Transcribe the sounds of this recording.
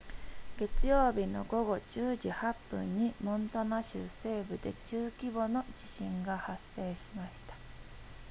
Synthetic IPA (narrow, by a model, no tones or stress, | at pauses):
ɡ̥e̞t͡sɨjo̞ːbʲino̞̰ɡo̞ɡo̞d͡ʑɨːʑihapːɯ̰̃ɲ̟ːimõ̞nt̪o̞naɕɨ̰se̞ːbɯ̟d̪e̞̰t͡ɕɨːkʲibo̞no̞d͡ʑiɕĩŋɡahasːe̞ːɕimaɕi̥t̪ḁ